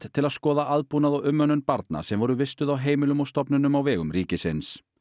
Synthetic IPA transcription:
t̪t̪ʰɪlaðskɔːðaʔaðpunaðɔwʏmːœnːʏnpaɾt̪na̰sɛmvɔɾʏvɪst̪ʏðawɦeːjmɪlʏmɔst̪ɔpnʏnʏmawvɛːɣʏmɾiːcɪsɪns

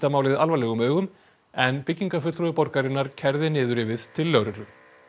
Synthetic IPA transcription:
t̪amaːwlɪðalvajlɛɣʏmœːɣʏm | ɛnpɪcːiŋkafʏt̪ɾɔɪpɔɾkaɾɪnːaɾ̥cʰɛɾðɪnɪːðʏɾɪvɪðt̪ʰɪlːœwɾʏt̪lʏm

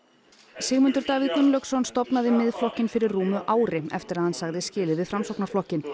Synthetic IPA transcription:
sɪːɣmʏnt̪ʏɾt̪aːɣvɪðk̪ʏnlœksɔnst̪ɔpnaðɪmɪðflɔhcɪnfɪɾɪrruːmʏʔaːwɾɪɛ̰ft̪ɪɾaðhansaɣðɪscɪːlɪvɪðfɾamsɔwknaɾ̥flɔhcɪn

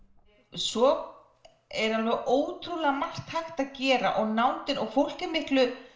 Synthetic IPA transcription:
sɔ | ɛɾ̥anvɛʔoːwt̪ʰɾulɛɣamar̥t̪hajxt̪aðcɛːɾaʔɔɣnaːwnt̪ɪnɔɣfowl̥cɪɾmɪht̪lʏ

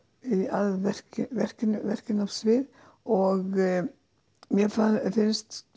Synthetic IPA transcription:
iaðvɛr̥cɪvɛr̥cɪnʏvɛr̥cɪnav̥svɪð | ɔɣ | mjɛfanθɪnst̪

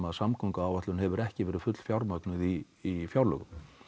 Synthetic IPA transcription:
maðsamkʰɔŋkaaːwvat̪ʏnɦɛvʏɾɛhcɪvɛːɾɪ̥fʏt̪l̥fjawɾmœknʏðiː | fjawɾlœ̰ɣʏm

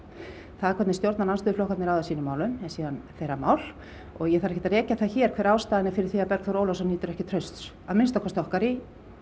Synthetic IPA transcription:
θaðɛɾkʰɛt̪nɪst̪jowɾt̪nananst̪ʏflowhkat̪nɪɾawðasiːnʏmːaːwlʏmɛsiːðanθejɾamaːwl̥ | ɔɣjɛθaɾɛcɛt̪aɾɛːcaθaðçɛːɾ̥kʰvɛːɾaːwst̪aːðɪnɪfɪɾɪɾ̥θiːapɛɾkθɔɾoːwlɔsɔniːt̪ʏɾɛhcɪt̪ʰɾœɥst̪s | aðmɪnst̪akʰɔst̪ɔhkaɾi

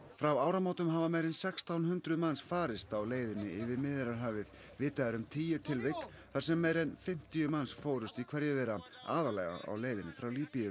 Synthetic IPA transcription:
fɾawaːwɾamaːwt̪ʏmɦavamɛjɾɛnsɛkst̪awnhʏnt̪ɾʏðmansfaːɾɪst̪awleːjðɪnːɪɪvɪɾmɪðɪɾaɾɦaːvɪð | vɪːt̪aðaɾʏmt̪ʰiːjʏt̪ʰɪlvɪk | θaɾ̥sɛmːejɾɛnfɪm̥t̪ijʏmansfoːwɾʏst̪ikʰvɛɾðjɛðɛɾa | a̰ːðalɛɣa̰a̰wleːjðɪnːɪfɾawliːpijʏ

